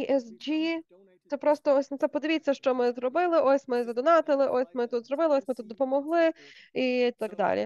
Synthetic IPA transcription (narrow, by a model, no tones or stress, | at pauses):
iʔɛsd͡ʒi | t̪ɛpɾɔst̪ɔɔsʲnɐt̪sɛpɔd̪ɪʋʲit͡sʲːɐʃt͡ʃɔmɪzrɔbɪlˠɪʔɔsʲmɪzɐd̪ʊnɑt̪ɪlˠɪʔɔsʲmɪt̪ut̪zɾɔbɪlˠɪɔsʲmɪt̪ut̪d̪ɔpɔmɔɦlˠɪit̪ɑɡd̪ɑ̰lʲḭ